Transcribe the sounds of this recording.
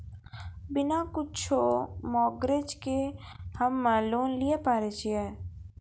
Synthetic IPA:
bɪnakʊt͡ʃʰomɔːɡɾed͡ʒke | həmːə̃loːnliepaːɾet͡ʃʰiɛː

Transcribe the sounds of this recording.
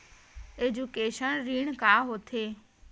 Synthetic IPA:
eːd͡ʑukeːʃənɾiːɽ̃kaːɦoːt̪ʰeː

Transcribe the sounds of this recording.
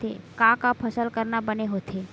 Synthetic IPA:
ḛkãkapʰəsəlkəɾnabəneɦoːt̪ʰeː

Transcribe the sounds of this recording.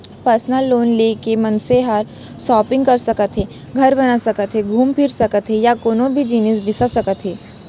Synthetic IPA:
pəɾsnəlːoːnleːkemɐnseɦəɾ | sɔːpɪ̃ŋɡkɐɾsɐkət̪ɦeː | ɡʱɐɾbɐnasɐkət̪ɦeɡʱuːmpʰɪɾsɐkət̪ɦejakoːnõbʱid͡ʒiːnəs̬bɪsasɐkət̪ɦeː

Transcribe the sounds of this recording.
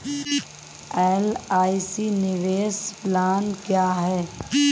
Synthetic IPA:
ɛːlaːisiːnɪʋeːsplaːnkjaːɦɛː

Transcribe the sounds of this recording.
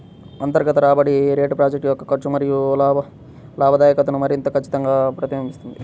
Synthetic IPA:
ɐnt̪ɐɾɡɐt̪ɐɾaːbɐɽiɾeːʈpɾaːd͡ʒɐk̚ʈjɔkːɐkɐt͡ʃumɐɾijulːb | laːbʱɐd̪aːjɐkɐt̪ɐnumɐɾint̪ɐkɐt͡ʃːi̥t̪ɐŋɡaːpɾɐt̪imɐmist̪und̪i

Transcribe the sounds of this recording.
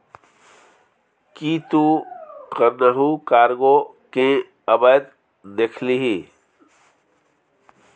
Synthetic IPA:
kit̪ukəɾnəɦũkaːɾɡo | ke | ɐbəd̪ | d̪ekʰliɦi

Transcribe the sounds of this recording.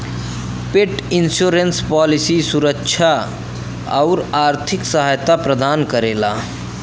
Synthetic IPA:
peʈinsuɾenspalisisuɾəkːt͡ʃʰa | ə̰ʊɾaːɾt̪ʰiksəɦajt̪apɾəd̪aːnkəɾela̰

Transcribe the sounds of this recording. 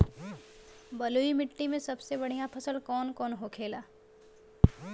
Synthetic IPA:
bɐloimɪʈːimẽsɐbsebɐɽ̤ijãpʰəsəlkɔːnkɔːnɦokʰeːlaː

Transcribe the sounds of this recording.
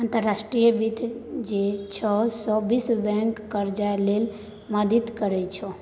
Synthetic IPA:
ant̪əɾːasʈɾijəbit̪ʰd͡ʒet͡ʃʰɔsɔbisbɛ̃ŋkːəɾd͡ʒaelel | məd̪it̪kəɾɛt͡ʃʰɔ

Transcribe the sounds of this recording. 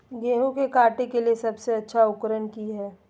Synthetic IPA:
ɡẽːɦõkekaːʈekeliesɐbseɐtːʃʰaʊkɾənkiɦɛː

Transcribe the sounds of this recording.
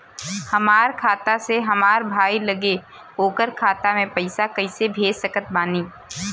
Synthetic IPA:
hɐmaːɾkʰaːt̪aseɦɐmaːɾbʱaːilɐɡe | oːkəɾkʰaːt̪amẽpɐɪsakɐɪsebʱeːd͡ʒsəkət̪̚baːniː

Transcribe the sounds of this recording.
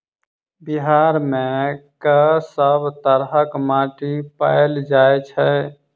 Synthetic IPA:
biɦaɾmẽkəsəbʱt̪əɾɦəkmaːʈipa̰ːeld͡ʒaːet͡ʃʰɛ

